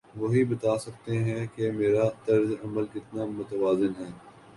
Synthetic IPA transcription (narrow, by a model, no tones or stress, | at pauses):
ʋoɦibɐt̪aːsɐkt̪eɦɛ̃kemeːɾat̪ɐɾzɐməlkɪt̪namʊt̪əʋaːzɪnɦɛː